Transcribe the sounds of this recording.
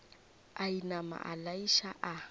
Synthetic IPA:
ainama̰ʔalaiʃaʔa

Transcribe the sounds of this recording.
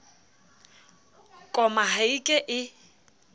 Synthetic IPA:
kʼɔmaɦaikʼɪʔɪ

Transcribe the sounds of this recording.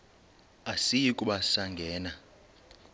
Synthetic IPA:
asijikʼuɓasaŋɡʱɛːna

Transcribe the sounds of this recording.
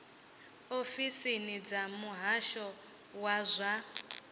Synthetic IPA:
ofisinid͡zamuɦaʃɔ | wazʷa

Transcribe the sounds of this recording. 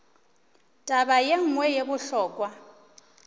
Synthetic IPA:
tʼaβajeŋ̩ŋwɛjeβʊɬɔːkʼwa

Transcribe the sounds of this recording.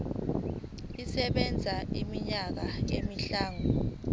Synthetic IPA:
isɛɓɛnd͡zʱaimiɲak̬ajemiɬaːŋɔ

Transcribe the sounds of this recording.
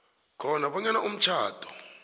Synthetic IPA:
kʰɔnaɓɔɲanaʔum̩t͡ʃʰaːd̥ʰʼʱɔ̥

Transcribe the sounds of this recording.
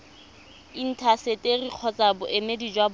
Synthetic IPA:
in̩tʰasetʼeriq͡χʰɔt͡sʼabʊʔemedid͡ʒwab

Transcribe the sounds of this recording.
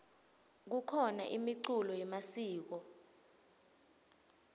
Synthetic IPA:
k̬ukʰɔna̰ʔimiǀulɔjɛmasiːk̬ɔ

